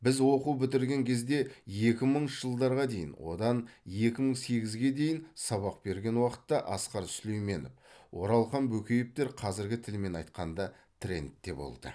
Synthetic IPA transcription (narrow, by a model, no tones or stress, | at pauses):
bɪzwo̞quwbɪt̪ɪɾɡʲe̞ŋkʲʰe̞zd̪e̞je̞kʲɪməɴʒəlˠd̪ɑɾʁɑd̪e̞jɪnwo̞̰d̪ɑnje̞kʲɪməɴse̞ɡʲɪzɡʲe̞d̪e̞jɪnsɑβɑq̚be̞ɾɡʲe̞nwɑqə̥t̪ːɑʔɑsqɑɾslejme̞nopwo̞ɾɑlˠχɑmbɵkʲe̞jɪp̚t̪e̞ɾqʰɑzɪɾɡʲɪt̪ʰɪlme̞nɑjt̪̚qɑnd̪ɑ | t̪ʰrʲe̞̰nt̪ːe̞bo̞̰lˠd̪ə̰